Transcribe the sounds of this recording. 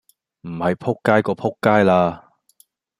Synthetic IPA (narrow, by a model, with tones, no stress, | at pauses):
m̩˨˩hɐ˨jpʰʊ˥kːaː˥jkɔː˧pʰʊ˥kːaː˥jlaː˧